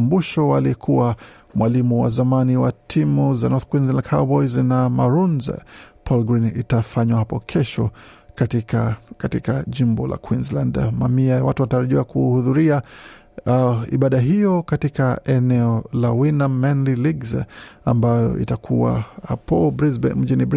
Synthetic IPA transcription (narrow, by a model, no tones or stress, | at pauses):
mbuʃɔwaliɛkʰuwa | mwalimuwa̰zamaniwatʰimuzanɔθkwinzlandkʰabɔjznamaɾunzɛ̰pʰɔlɡɾinḭtafaɲwahapɔkʰɛʃɔkatikkatikaʄimbɔlʔa̰kwinzlandmamiajawatuwataɾaʄiwakuhuðuɾia | ḭɓaɗaɦijɔkatikaʔɛnɛɔlawinamːɛnliliɡzambajɔ̰ʔḭtakʰuwa̰hapɔim̩ʄinib